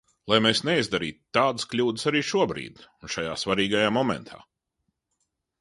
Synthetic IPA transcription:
lˠajmeːsneizd̪aɾḭːt̪t̪ːaːd̪sklʲuːd̪əsaɾiːʃuɔbɾḭːd̪̥unʃajaːsvaɾiːɡajaːmɔmɛ̰nt̪ʰa̰ː

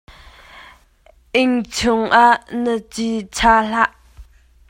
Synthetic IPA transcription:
ʔɪŋt͡sʰʊŋʔaʔnət͡sit͡sʰaːɬaʔ

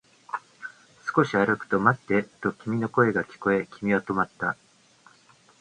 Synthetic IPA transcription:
sɨ̥ko̞ɕiaɾɯ̟kɯ̟̥t̪o̞mat̪ːe̞t̪o̞kʲimʲino̞ko̞e̞ɡakʲi̥ko̞e̞kʲimʲiβat̪o̞mat̪ːa

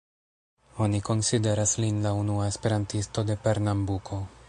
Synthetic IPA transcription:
o̞niko̞nside̞ɾaslinlaunuae̞spe̞ɾantisto̞de̞pe̞ɾnambukʰo̞

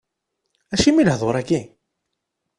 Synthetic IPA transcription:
æʃimilhðˤoɾˤæki

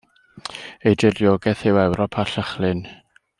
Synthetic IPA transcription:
ejdɪrjoːɡɛθɪwɛwɾɔpʰaɬəχlˠɨn

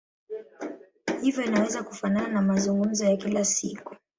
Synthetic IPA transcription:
hivjɔinawɛzaku̥fanananamazuŋɡum̩zɔjakilasiku

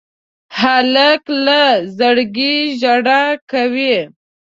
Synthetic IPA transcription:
halaklazəɽɡiʒaɽakawi

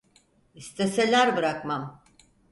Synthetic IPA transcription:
ist̪ʰe̞se̞lʲæɾbɯɾakmam

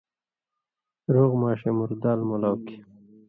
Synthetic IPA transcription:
ɾoːɣmɑːɕemuɾd̪aːlmolawki̥

